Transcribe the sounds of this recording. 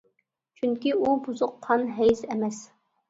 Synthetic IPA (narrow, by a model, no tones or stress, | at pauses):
t͡ʃʰyŋkʲiubuzʊqʰːɑnɦɛjzɛmɛs